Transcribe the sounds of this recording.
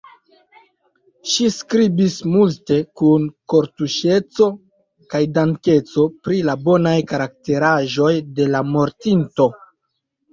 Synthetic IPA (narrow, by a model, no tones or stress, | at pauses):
ʃiskɾibismulte̞kunko̞ɾtuʃe̞t͡so̞ | kajdaŋke̞t͡so̞pɾilabo̞najkaɾak̚te̞ɾaʒo̞jde̞lamo̞ɾtinto̞